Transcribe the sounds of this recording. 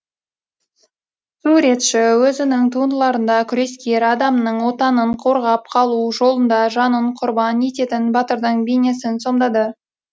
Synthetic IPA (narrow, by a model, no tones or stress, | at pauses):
suɾe̞t̪ʃɪwɵzɪnɪŋt̪ʰuənd̪əlˠɑɾənd̪ɑkʲʰʏɾe̞skʲe̞ɾɑd̪ɑmnəɴwo̞t̪ɑnəɴqʰo̞ɾʁɑp̚qʰɑlˠuʒo̞lˠənd̪ɑʒɑnəɴqʰʊɾbɑne̞t̪e̞t̪ɪnbɑt̪əɾd̪əɴbene̞sɪnso̞md̪ɑd̪ə